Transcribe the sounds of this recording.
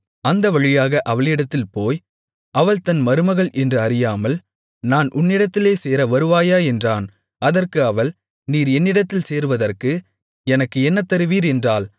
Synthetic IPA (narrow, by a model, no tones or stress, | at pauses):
ɐnd̪ɐʋɐɻɪjaːɣɐʔɐʋɐɭɪɽɐt̪ːɪlpoːj | ɐʋɐɭt̪ɐnmɐɾɯmɐɣɐɭʔɛndrɯɐɾɪjaːmɐl | naːnʔʊnːɪɽɐt̪ːɪleːseːɾɐʋɐɾɯʋaːjaːɛndraːn | ɐðɐrkɯɐʋɐl | niːɾɛnːɪɽɐt̪ːɪlseːɾɯʋɐðɐrkɯ | ɛnɐkːɯɛnːɐt̪ːɐɾɯʋiːɾɛndraːl